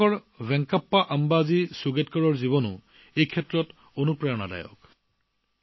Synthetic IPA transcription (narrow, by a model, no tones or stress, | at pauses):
ɔɹ | bɛŋkapːaʔambazisuɡetkɔɹɔɹziβɔnʊ̰ | ejkʰɛtɹɔt | onupɹajɔnada̰jɔ̰k